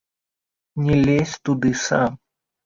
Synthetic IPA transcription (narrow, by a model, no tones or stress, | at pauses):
nʲɛlʲesʲt̪ud̪ɨsa̰m